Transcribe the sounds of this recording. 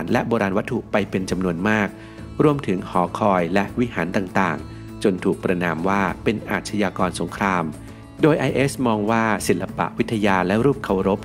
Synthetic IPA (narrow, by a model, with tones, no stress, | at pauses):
nlɛ˦˥ʔboː˧ɾaː˧nwa˦˥t̪ʰːu˨˩ʔpa˧jpe˧nt͡ɕa˧mnu˧ənmaː˥˩k̚ | ɾu˧əmt̪ʰɯ˩˦ŋhɔː˩˦kʰɔː˧jlɛ˦˥ʔwi˦˥haː˩˦nt̪aː˨˩ŋt̪aː˨˩ŋ | t͡ɕo˧nt̪ʰuː˨˩k̚pɾa˧naː˧mwaː˥˩pe˧nʔa̰ː˨˩t̪̚t͡ɕʰa˧jaː˧kɔː˧nso˩˦ŋkʰɾaː˧m | doː˧jʔa˧jʔe˦˥smɔː˧ŋwaː˥˩si˨˩lla˧pa̰˨˩ʔwi˦˥t̪ʰːa˧jaː˧lɛ˦˥ɾuː˥˩p̚kʰa˨˩wɾo˦˥p̚